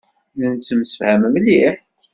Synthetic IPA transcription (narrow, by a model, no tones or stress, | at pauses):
nənt͡sːəmsə̥fhæməmliħ